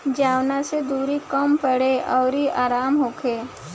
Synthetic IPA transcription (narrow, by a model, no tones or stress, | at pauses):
d͡ʒaːwnased̪uːɾikəmpəɽeʔɔːɾiʔaːɾaːmɦoːkʰeː